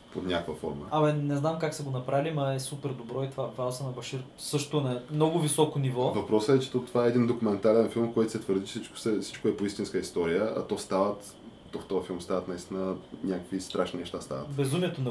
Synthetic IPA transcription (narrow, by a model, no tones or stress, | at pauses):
o̰t̪nʲakvəfɔ̰ɾmə̰ɐmɐnɛznamkaksɐɡonɐpɾalʲimɐɛsupɛɾd̪obɾɔit̪ovavalˠsənɐbɐʃiɾ | sɤʃt̪ʊɛnɐmnɔɡʊvisɔkonivɔvɐpɾɔsəɛt͡ʃɛ̥t̪ot̪ovaɛɛd̪ind̪okumɛnt̪aɾɛnfilˠmkɔjt̪o̥sɛt̪vəɾd̪it͡ʃɛsit͡ʃko̥sɛsi̥t͡ʃkoɛpoist̪inskəist̪ɔɾijəɐ̰t̪ɔst̪avət̪ | t̪ːɔft̪ɔɐfilˠmst̪avət̪nɐist̪inənʲakəkvist̪ɾʔaʃninɛʃt̪ast̪a̰və̰t̪bɛzumɛt̪onɐ